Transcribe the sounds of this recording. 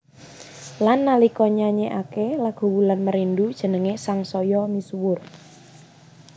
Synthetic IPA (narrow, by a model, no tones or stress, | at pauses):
lanːalikɔɲaɲeʔakelaɡ̥o̤wulanməɾindud̥ʒ̥ə̤nəŋesaŋsɔjɔmiswʊr